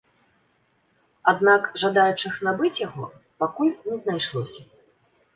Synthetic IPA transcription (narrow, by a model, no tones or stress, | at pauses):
ad̪nakʐad̪ajut͡ʂɨxnabɨt͡sʲjaɣɔ̰ | pakulʲnʲɛznajʂlˠɔsʲɐ